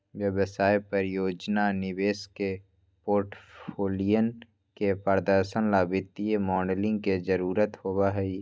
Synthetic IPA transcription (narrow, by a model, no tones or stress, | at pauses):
ʋjəbsaːjpəɾjoːd͡ʒnanɪʋeːske | poːɾʈpʰoːlijən | kepəɾd̪əɾʃənlaːbɪt̪ijemɔːɖlɪ̃ŋɡ̚ked͡ʒəɾuːɾət̪hoːbaɦɛi